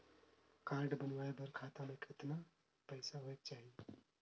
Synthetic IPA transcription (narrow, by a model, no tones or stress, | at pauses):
kãɾɖbənʋaebəɾkʰat̪amẽkʰɪt̪na | pəɪsaɦoek̚t͡ʃaːɦie